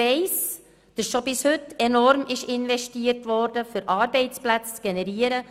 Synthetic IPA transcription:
ɛɪs | d̥ɑsʃobɪshʏtːɛnɔɾmɪʃɪnʋɛʃtiːəɾtʋɔɾdəfʏɾʔɑːɾbɛɪt͡splæt͡st͡sɡ̥ɛnɛɾiːəɾə

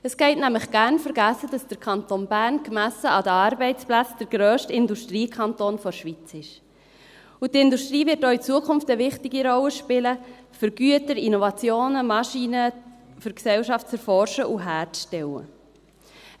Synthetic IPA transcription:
əsɡ̥ɛɪtnæmləχɡ̥æːɾnfəɾɡæsəd̥ɑsd̥əɾkʰɑntonbæɾnkmæsəʔɑdəɑɾbɛɪtt͡splæt͡sd̥əɾɡ̥ɾœːʃtɪnduʃtɾiːkʰɑntoːnfɔɾʃʋit͡sɪʃ | utɪnduʃtɾiːvɪɾt̚ːoːit͡suəkʰʊnftəvɪχtɪɡiɾɔləʃpɪlə | fʏɾɡ̥yətəɾinɔvɑt͡sjoːnəmɑʃiːnəfʏɾksɛlʃɑftt͡sɛɾfɔɾʃəʔuɦæːɾʃtɛwə̰

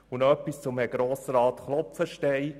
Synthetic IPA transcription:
unœpːist͡sʊmɛɡ̥ɾoːsəɾɑːt̪χlɔpfəʃtɛj

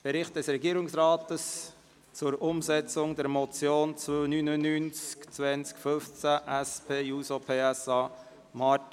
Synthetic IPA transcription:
b̥ɛɾɪχt̚d̥ɛsɾɛɡiəɾɪŋsɾaːtəs | t͡sʊɾʊmzɛt͡sʊŋd̪ɛɾmɔt͡sjoːnt͡sonynənyːnt͡skt͡sʋɛnt͡skføft͡sæʔɛspeːjuːsopʰeːɛsɑː | mɑt

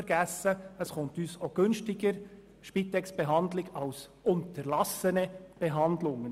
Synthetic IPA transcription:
əɾɡ̥æsːəəsχʊnt̪yːsoɡ̥ɵnʃtɪɡəɾ | ʃpit̪ːɛksb̥ɛɦɑnd̪lɪɡɑls | ʊnt̪əɾlɑsənɛb̥ɛɦɑnd̪lʊŋːən

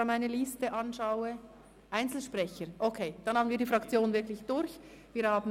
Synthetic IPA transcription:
maɪnəlistəʔɑnʃaʊə | ʔaɪnt͡sl̩ʃpʁɛçəɾʔokʰeːd̥ɑnhɑːbmn̩viːɐdiːfʁɑkt͡sjoːnvɪɐklɪçd̥ʊɾç | viːɾhaːbn̩

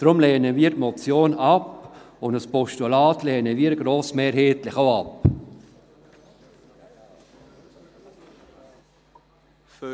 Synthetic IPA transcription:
d̥ɾʊmlɛːnəviːəɾtmɔt͡sjoːnɑp | ʊndəspʰɔʃtulaːtlɛːnəviːɾəɡɾoːsmeːɾheːtlɪxaʊɑp

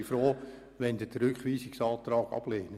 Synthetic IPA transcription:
froː | ʋɛndətɾʏkχʋiːsɪksɑːtrɑːkɑ̰pleːnə

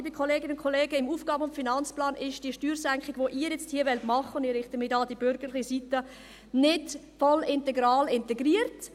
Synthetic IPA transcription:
ibikχɔleːɡɪnʊnkʰoleːɡəɪmuːfɡ̥ɑːbəʊntfinɑnt͡splɑːnɪʃd̥iːʃtyːɾsæŋkχɪɡ̥ʋoːʔiːəjɛt͡sthiːəʋɛltmɑχːəʊndɪɾɪχtəmɪdɑːdibʏɾɡ̥ələχisit̪ə | nɪd | fɔlɪntɛɡɾɑːlɪntɛɡriːəɾt

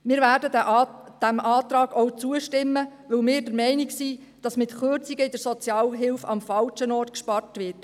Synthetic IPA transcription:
mɪːɾvæːɾdədd̥æmɑːt̪ɾɑːɡ̥ɔwt͡suəʃtɪmːəʋɵlmɪːɾdəɾmɛɪnɪksi | d̥ɑsmɪtχørt͡siɡəɪd̥əɾsɔt͡sjɑːlɦɪlfɑ̰mfɑlʃənɔːrtkʃpɑrtʋɪrt

